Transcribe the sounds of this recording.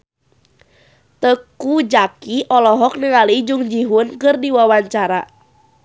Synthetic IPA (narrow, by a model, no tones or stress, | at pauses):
t̪əkud͡ʒakiʔɔlɔɦɔk̚nəŋalid͡ʒuŋd͡ʒiɦʊnkərdiwawaɲt͡ʃaɾa